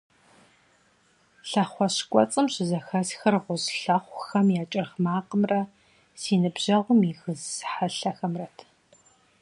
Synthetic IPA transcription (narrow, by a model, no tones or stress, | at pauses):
ɬɐχʷɔɕkʷʼɔ̰t͡sʼɨmɕɪzɐxɐsxɐrʁʷʊzɬɐχʷxɐmjaːt͡ʃʼɐrχmaːqəmrɐ | siːnɨbʑ̥ɐʁʷʊmiɣɨzħaɬɐxɐmrɐtʰ